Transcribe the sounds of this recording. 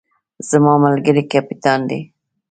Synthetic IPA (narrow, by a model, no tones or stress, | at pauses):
z̥amɑmalɡəɾikapit̪ɑnd̪i